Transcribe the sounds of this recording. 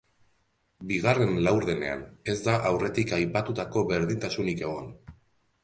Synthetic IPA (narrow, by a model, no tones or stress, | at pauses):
biɣ̞are̞nlawɾðe̞ne̞̰a̰ne̞zd̪aʔawre̞t̪ikajpat̪ut̪ako̞βe̞ɾðint̪asunike̞ɣ̞o̞n